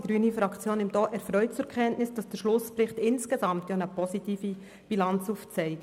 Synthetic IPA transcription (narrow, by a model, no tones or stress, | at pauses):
ɡ̥ɾyːnifɾɑkt͡sjoːnɪmd̥ɔːʔɛɾfɾœʏt̚t͡sʊɾkʰɛntnɪsd̥ɑsd̥əɾʃlʊspɾɪχtɪnskezɑmtjɔnəpɔsitiːfi | b̥ilɑnt͡suːft͡sɛɪk